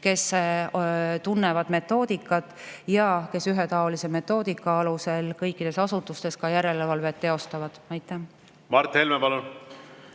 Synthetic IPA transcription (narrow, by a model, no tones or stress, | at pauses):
ke̞s | t̪unːevɑd̪me̞t̪ˑːo̞ːd̪̥ikːˑɑt̪ːˑjɑke̞syɦet̪ɑo̞lise̞me̞t̪ːˑo̞ːd̪ikːˑɑɑluse̞lkɤjkːˑid̪̥e̞sɑsut̪ːust̪e̞skɑjæɾe̞levɑlve̞t̪ːe̞o̞st̪ɑvɑd̪̥æjt̪ːˑæ | mɑɾt̪helmepɑlun